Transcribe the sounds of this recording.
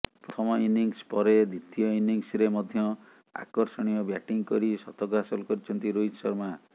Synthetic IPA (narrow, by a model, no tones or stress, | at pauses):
pɾɔt̪ʰɔmɔiniŋspɔɾed̪ʱit̪ijɔiniŋsɾemɔd̪ʱjɔ | a̰kɔɾsɔɽ̃ijɔbjaʈiŋkɔɾisɔt̪ɔɡasɔlkɔɾit͡ʃʰɔnt̪iɾoid͡ʒsɔ̰ɾma